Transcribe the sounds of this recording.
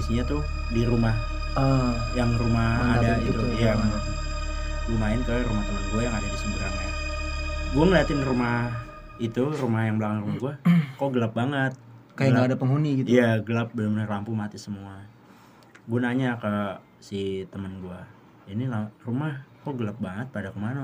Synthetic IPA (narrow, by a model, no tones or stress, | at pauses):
disiɲat̪ʊ | diɾumah | jaŋrumahadaɡit̪utjaŋ | rumaɪnkəɾumaht̪əmənɡuajaŋadadisəbuɾa̰n | ɡuaŋəliat̪ɪnrumah | it̪urumahjaŋbəlakaŋrumahɡuakoɡəlap̚baŋət̪̚kajalaadapəŋɦuniɡit̪ijaɡəlap̚bəlʊmnlampumat̪isəmua | ɡuanaɲakə | sit̪əmənɡua | inilarumahkoɡəlap̚baŋət̪̚padakəmana